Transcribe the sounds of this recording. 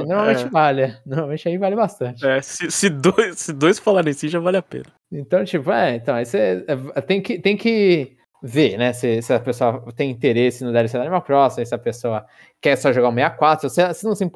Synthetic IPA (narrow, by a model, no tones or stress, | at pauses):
ɪnoɾmawmẽt͡ʃɪvalɐnoɾmawmẽt͡ʃɪaivalɪbast̪ɐ̃t͡ʃɪɛsɪsɪd̪ojssɪd̪ojsfalaɾẽsĩʒavalɪapḛ̃nɐ | ẽt̪ɐ̃w̃t͡ʃipʊɛẽt̪ɐ̃w̃isɛɛɛt̪ẽj̃kɪt̪ẽj̃kɪ | veɾnɛsɪsɪɐpesoɐt̪ẽj̃ĩnt̪eɾesɪnɐ̃d̪ɛɾɪsed̪animawpɾɔsɪmʊsɪɐpesoɐ | kɛsɔʒoɡaũmejakwat̪ɾʊsesɪnɐ̃w̃sĩ